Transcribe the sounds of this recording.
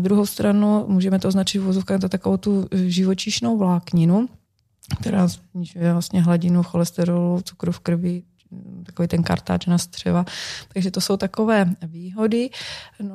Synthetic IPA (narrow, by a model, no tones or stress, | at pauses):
d̪ɾuɦowst̪ɾanumuːʒɛmɛt̪oʔoznat͡ʃɪt̪fuvozofkaːɣzat̪akovowt̪uʒɪvot͡ʃiʃnowvlaːkɲɪnu | kt̪ɛɾaːzɲɪʒujɛvlast̪ɲɛɦlaɟɪnuxolɛst̪ɛɾolut͡su̥kɾufkr̩vɪ | t̪akoviːt̪ɛnka̰ɾt̪a̰ːt͡ʃnast̪r̝̥ɛ̰vat̪aɡʒɛt̪osowt̪akovɛːviːɦo̞dɪn